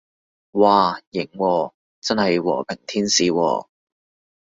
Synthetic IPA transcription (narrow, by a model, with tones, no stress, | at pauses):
waː˨˩jɪ˨˩ŋwɔː˧ | t͡sɐ˥nhɐ˨jwɔ̰ː˨˩pʰɪ˨˩ŋt̪ʰiː˥nsiː˨wɔ̰ː˧